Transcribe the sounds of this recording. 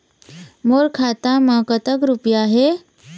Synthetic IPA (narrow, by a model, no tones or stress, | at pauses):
moːɾkʰaːt̪amə̃kət̪əkɾupjaɦe